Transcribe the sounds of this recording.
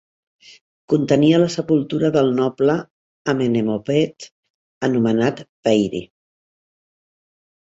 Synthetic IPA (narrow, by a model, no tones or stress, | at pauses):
kunt̪əniələsəpulˠt̪uɾəðəlˠnɔpləː | menemopɛt̪ | ənumənat̪pɛjɾḭ